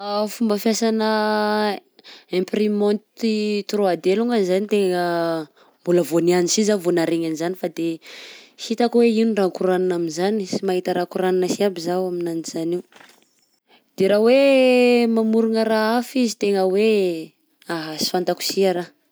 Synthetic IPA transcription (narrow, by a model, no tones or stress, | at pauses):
afumbəfjasanə | ẽmprimɔnt̪it̪road̪eluŋɡanzanit̪eŋə | mbuləvonianisizavonaɾeɲanizanifad̪e | sit̪akweinirakuɾaninaminzanisimaɦit̪əɾakuɾaninəsiabizawaminaniz̥aniw | d̪̥eɾawe | mamuɾuŋəɾaafizit̪eŋəwe | aɦasi̥fant̪aku̥siaɾa